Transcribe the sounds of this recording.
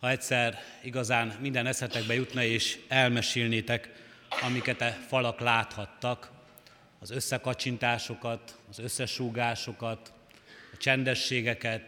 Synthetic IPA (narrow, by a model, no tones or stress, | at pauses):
hɒɛcʲsɛr | iɡɒzaːmmind̪ɛnɛsɛt̪ɛɡbɛjut̪nɒeːʃɛlmɛʃiːlneːt̪ɛk | ɒmikɛt̪ɛfɒlɒklaːt̪hɒt̪ːɒk | ɒzø̞sːɛkɒt͡ʃint̪aːʃo̞kɒt̪ɒzø̞sːɛʃuːɡaːʃo̞kɒt̪ | ɒt͡ʃɛnd̪ɛʃːeːɡɛkɛt̪